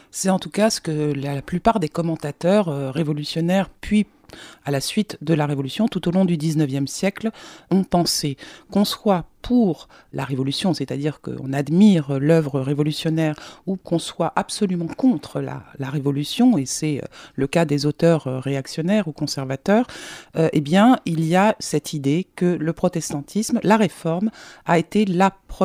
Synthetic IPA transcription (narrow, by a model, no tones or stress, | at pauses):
sɛt̪ɑ̃t̪ukasə̥kəlaplypaʁd̪ekɔmɑ̃t̪at̪œʁøʁevɔlysjɔnɛʁpɥi | alasɥit̪d̪əlaʁevɔlysjɔ̃t̪ut̪olɔ̃d̪yd̪iznœvjɛmsjɛklɔ̃pɑ̃sekɔ̃swapʰuʁ | laʁevɔlysjɔ̃set̪ad̪iʁkə̰ɔ̰̃nad̪miʁlœvʁəʁevɔlysjɔnɛʁukɔ̃swaʔapsɔlymɑ̃kɔ̃t̪χəla̰laʁevɔlysjɔ̃esɛø̰ləkad̪ezot̪œʁøːeaksjɔnɛʁukɔ̃sɛʁvat̪œːʁʔebjɛ̃ilijasɛt̪ʰid̪ekələpχɔt̪ɛst̪ɑ̃t̪ʰismlaʁefɔʁmaet̪elapχ